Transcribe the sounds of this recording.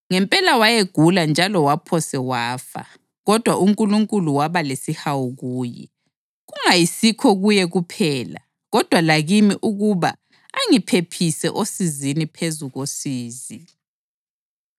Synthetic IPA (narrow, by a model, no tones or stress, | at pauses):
ŋɛmpʼɛlawajeɡ̥ʱuland͡ʒʱalɔwapʰɔsɛwaːfa̰ | ɣɔd̥ʱwaʔuŋkʼuluŋkʼuluwaβalesihawuɣuːjɛ̰ | ɣuŋajisikʰɔɣujɛɣupʰɛːla̰ | ɣɔd̥ʱwalaɣimiʔuɣuβa̰ː | ŋipʰepʰisɛʔosizinipʰezuɣosiːzi